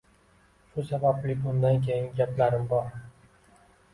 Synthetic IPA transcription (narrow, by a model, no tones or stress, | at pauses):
ʃʊsabablɪbʊnd̪ankʲʰejɪŋɡʲaplaɾɪmbɒɾ